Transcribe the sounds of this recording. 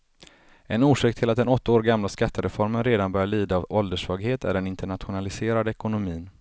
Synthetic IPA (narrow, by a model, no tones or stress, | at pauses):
ɛnuːʂɪːkt̪ʰɪlat̪̚d̪ɛnɔt̪ʰːaoːɾɡamlaskat̪ːəɾɛfɔɾmənɾeːd̪anbœɾjaɭiːd̪aːvɔld̪əʂvɑːɡheːt̪ʰæ̰ɖɛnɪnt̪əɳat̪ɧʊnalɪseːɾad̪əɛkʊnʊmiːn